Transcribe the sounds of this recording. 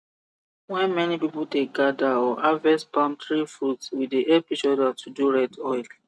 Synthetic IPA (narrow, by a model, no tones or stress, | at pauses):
wɛ̃nmɛnipipɔldeɡadaɔʔavɛsbãmtɹifɹudswidiʔɛpiʃɔdatʰuduɹɛdɔjl